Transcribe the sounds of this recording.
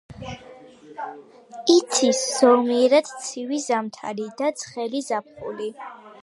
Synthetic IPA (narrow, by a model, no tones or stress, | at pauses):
it̪sʰisz̥ɔmiɛɾad̪̥t̪sʰivizamt̪ʰa̰ɾid̪at̪sʰχɛlizap̚ʰχṵli